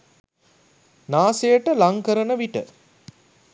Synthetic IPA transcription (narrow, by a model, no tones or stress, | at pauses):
naːsejəʈəlaŋkəɾənəʋiʈə̰